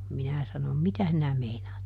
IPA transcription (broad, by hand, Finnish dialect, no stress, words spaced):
minæ sɑnom mitæ sinæ meinɑːt